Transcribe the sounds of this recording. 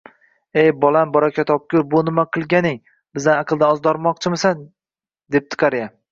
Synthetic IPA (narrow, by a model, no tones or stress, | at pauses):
ejbɒlˠambɒɾakʲʰat̪ɒp̚kʲʊɾbʊnɪmaqʰɨlˠɡʲanɪŋ | bɪzd̪anɑqʰɨlˠd̪aɒzd̪ɒɾmɒq̚t͡ʃʰɪmɪsan | d̪e̞p̚t̪ʰɨ̥qʰɑɾja